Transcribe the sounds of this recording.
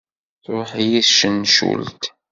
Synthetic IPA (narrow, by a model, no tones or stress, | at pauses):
θɾˤʊħijiθʃənːʃṵlt̪